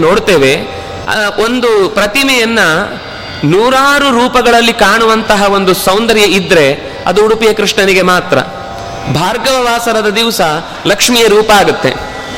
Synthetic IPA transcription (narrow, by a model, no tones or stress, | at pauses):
noːɽt̪eːʋe̞ | o̞nd̪upɾɐt̪imɛjɐnːɐ | nuːɾaːɾuɾuːpɐɡɐɭɐlːikaːɳuʋɐnt̪ɐɦɐo̞nd̪usɐwnd̪ɐɾjɐid̪ːɾe̞ | ɐ̰d̪uːɽupijɐkɾiʂɳɐniɡe̞maːt̪ɾɐ̰ | bʱaːɾɡɐʋɐʋaːsɐɾɐd̪ɐd̪iʋsɐ | lɐkʂmijɐɾuːpɐaːɡut̪ːe̞̰